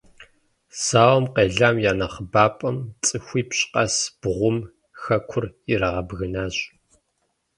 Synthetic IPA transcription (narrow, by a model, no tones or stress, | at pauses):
saːwɐmqeːɮaːmjaːnɐχəbaːpʼɐmt͡sʼɨxʷiːpɕʼqɐsb̥ʁʷʊm | xɐkʷʰʊrɪɾɐʁɐbɣɨnaːɕʼ